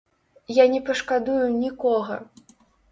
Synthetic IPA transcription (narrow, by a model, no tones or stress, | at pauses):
janʲɛpɐʂkad̪ujunʲikɔɣɐ